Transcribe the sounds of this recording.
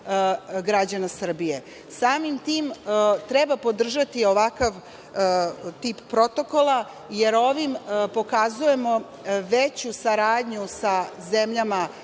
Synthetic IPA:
ɡɾad͡ʑanasr̩bije̞ | saːmimt̪iːmt̪ɾebapo̞d̪r̩ʒat̪io̞ʋakaʋ | t̪iːpːɾo̞t̪o̞ko̞lˠa | je̞ɾo̞ʋimpo̞kazuje̞mo̞ | ʋet͡ɕusaɾaːd̪ɲusazemʎama

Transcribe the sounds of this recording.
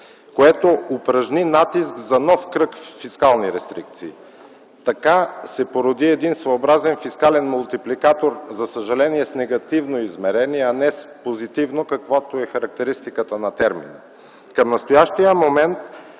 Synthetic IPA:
koɛt̪oopɾɐʒninat̪isɡzɐnɔfkɾɤkfːiskalˠniɾɛst̪ɾik̚t̪siː | t̪ɐkasɛpoɾod̪iɛd̪insvɐobɾazɛnfiskalɛnmʊlˠt̪iplikat̪oɾzɐsəʒɐlɛniɛsnɛɡɐt̪ivnoizmɛɾɛniɛanɛspozit̪ivnokɐkvot̪oɛxɐɾɐk̚t̪ɛɾist̪ikət̪ənɐt̪ɛɾmḭnə | kɐmnɐst̪ojaʃt̪ijəmomɛnt̪

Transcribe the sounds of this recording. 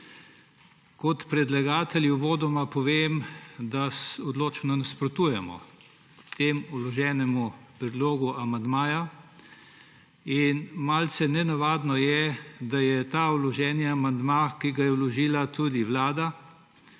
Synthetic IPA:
kɔt̪pɾɛd̪laɡaːt̪ɛljiʋoːd̪ɔmapɔʋeːmd̪asɔd̪loːt͡ʃnɔnaspɾɔt̪uːjɛmɔ̰ | t̪eːmulɔʒɛːnɛmupɾɛd̪loːɡuʔamand̪maːja | inmalsɛnɛnaʋaːd̪nɔjɛd̪ajɛt̪aːulɔʒɛːnjaamand̪makiɡajɛwlɔʒiːlat̪ud̪iʋlaːd̪a

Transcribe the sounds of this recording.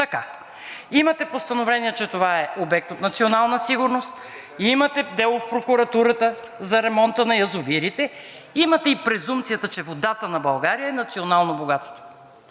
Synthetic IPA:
t̪ɐka | imɐt̪ɛpost̪ɐnovlɛniɛt͡ʃɛt̪ovaɛobɛk̚t̪ot̪nɐt̪sionalˠnəsiɡʊɾnost̪ | imɐt̪ɛd̪ɛlˠofpɾokʊɾɐt̪uɾət̪ə | zɐɾɛmɔnt̪ənɐjɐzʊviɾit̪ɛ | imɐt̪ɛipɾɛzumpt̪sijət̪ət͡ʃɛvod̪at̪ənɐbɐlˠɡaɾijəɛnɐt̪sionalˠnoboɡat̪st̪vo

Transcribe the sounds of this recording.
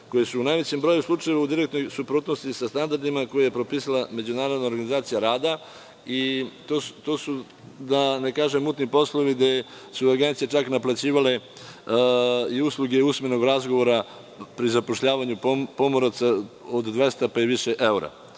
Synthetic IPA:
ko̞jesuːnajʋe̞t͡ɕembɾo̞juslˠut͡ʂaje̞ʋaud̪iɾek̚t̪no̞jsupɾuːt̪nost̪isast̪and̪aɾd̪imako̞jajepɾo̞piːsalame̞d͡ʑunaːɾod̪naoɾɡanizaːt̪sijaɾaːd̪a | it̪oːt̪osu | d̪anekaːʒemuːt̪nipo̞slˠoʋid̪e | suaɡent̪sijet͡ʃaknaplat͡ɕiːʋale̞ | iuslˠuɡe̞usmeno̞ɡɾazɡoʋo̞ɾa | pɾizapo̞ʃʎaːʋaɲupo̞moɾat̪saod̪d̪ʋe̞st̪apaiʋiʃeʔe̞uɾa̰

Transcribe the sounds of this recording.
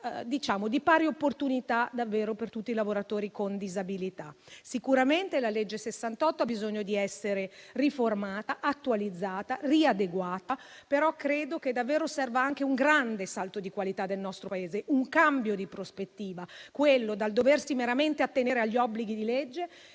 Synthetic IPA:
d̪it͡ʃaːmod̪ipaːɾiopːort̪unit̪ad̪avːeːɾopert̪ut̪ːilavoɾat̪oːɾikond̪izabilit̪a̰sikuɾament̪elaled͡ʒːesesːant̪ɔt̪ːoabizoɲːod̪iɛsːeɾeriformaːt̪aʔat̪ːualid̪zːaːt̪ariad̪eɡwaːt̪a | peɾɔkːɾeːd̪oked̪ːavːeːɾosɛrvaaŋk̟euŋɡɾand̪esalt̪od̪ikwalit̪ad̪ːelnɔst̪ɾopaeːzeʔuŋkambjod̪ipɾospet̪ːiːvakwelːod̪ald̪oversimeɾament̪eat̪ːeneːɾeaʎːiɔbːliɡid̪ilɛd͡ʒːe

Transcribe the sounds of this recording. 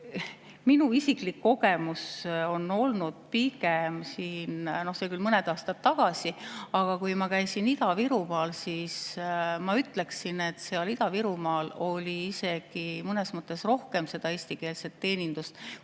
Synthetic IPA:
minuisiklikːo̞ɡ̥e̞muso̞no̞lnud̪̥̚piɡ̥emsiːnno̞hse̞kylmɤned̪̥ɑːst̪ɑt̪ːɑɡ̥ɑsiɑɡ̥ɑkujmɑkæjsinid̪ɑviɾumɑːlsiːsmɑyt̪ːˑle̞ksine̞t̪ːˑseɑlid̪̥ɑviɾumɑːlo̞lʲiise̞ɡ̥imɤne̞smɤt̪ˑːe̞sro̞hke̞mse̞d̪ɑe̞ːsʲt̪ike̞ːlset̪ːe̞ːnʲind̪̥ust̪

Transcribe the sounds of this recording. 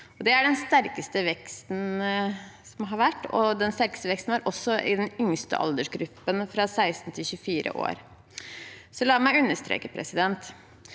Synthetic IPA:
ɔd̪ɛæɖɛnst̪æɾkəst̪əʋɛkst̪n̩ | sɔmɦɑɾʋæʈːɔ̰d̪ɛnst̪æɾkə̥st̪əʋɛkst̪n̩æɾʔɔsːɔʔɪd̪ɛnʏŋst̪ə̰ʔɑ̰ld̪əʂɡɾʉpːənfɾɑsæɪst̪n̩t̪ʰɪlçʉfiːɾʔə̰ʔo̰ːɾ | sɔlɑːmæɪʉnːəʂt̪ɾḛːkəpʰɾɛ̰sɪd̪ɛnt̪

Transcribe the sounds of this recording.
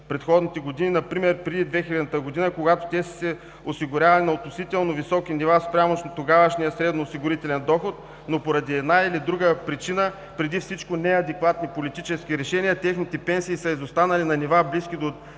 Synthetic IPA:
pɾɛt̪xɔd̪nit̪ɛɡod̪ininɐpɾimɛɾpɾɛd̪id̪vɛxilʲɛd̪ət̪əɡod̪inəkoɡat̪o̥t̪ɛssɛ | osiɡʊɾʲavɐlɛnɐot̪nosit̪ɛlˠnovisɔkinivaspɾʲamoʃnt̪oɡavəʃnijəsɾɛd̪noːsiɡʊɾit̪ɛlɛnd̪ɔxot̪ | nopoɾɐd̪iɛd̪nailid̪ɾuɡəpɾit͡ʃinə | pɾɛd̪ifsit͡ʃkonɛɐd̪ɛkvat̪nipolit̪it͡ʃɛskiɾɛʃɛniət̪ʲɛxnit̪ɛpɛnsiːsɐizost̪anɐlinɐnivabliskid̪o

